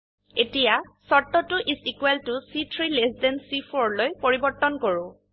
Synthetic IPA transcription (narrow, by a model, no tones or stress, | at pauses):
etijasɔtːɔtʊʔizikwɛltusitʰɹilesdɛnsifʰoɹlojpoɹibɔɹtɔnkoɹʊ̃